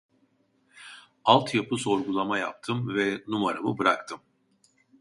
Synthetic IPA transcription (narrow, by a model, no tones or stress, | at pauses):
alˠt̪ʰjapʰɯso̞ɾɡulˠamaja̰p̚t̪ʰɯmvɛnumaɾamɯbɯɾakt̪ʰɯm